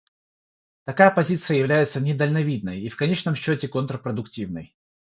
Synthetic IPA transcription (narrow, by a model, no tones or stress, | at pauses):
t̪ɐkajəpɐzʲit̪sɨjəjɪvlʲæjɪt̪sənʲɪd̪əlʲnɐvʲid̪̚nəjifkɐnʲet͡ɕnəmɕːotʲɪkont̪ɾəpɾəd̪ʊktʲivnə̰j